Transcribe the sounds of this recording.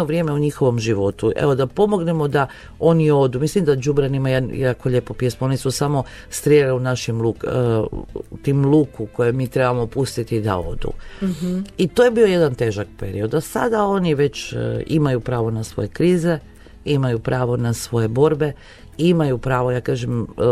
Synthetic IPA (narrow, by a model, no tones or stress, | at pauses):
oʋɾje̞ːmeuɲixo̞ʋo̞mʒiʋo̞t̪uʔḛʋo̞d̪apo̞mo̞ɡne̞mo̞d̪a | o̞nio̞d̪umislimd̪ad͡ʒubɾanimajenjakoʎepopje̞smoonisusamo̞ | st̪ɾjeliunaʃimlukː | t̪imlˠuːkuko̞jemiːt̪ɾe̞bamopust̪it̪id̪a̰o̞̰d̪ṵ | it̪oːjebio̞je̞d̪ant̪e̞ːʒak̚peɾḭo̞d̪asa̰d̪ao̞niʋe̞t͡ɕimajupɾaːʋo̞nasʋo̞̰je̞kɾiːze̞ | imajupɾaːʋo̞nasʋo̞je̞bo̞ɾbe̞ | imajupɾaːʋo̞jaːkaːʒem